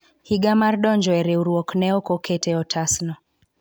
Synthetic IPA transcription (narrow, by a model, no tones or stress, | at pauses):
hiɡamaɾɗɔnd͡ʒɔɛɾɛuɾuɔknɛɔkɔkʰɛtʰɛɔtʰasnɔ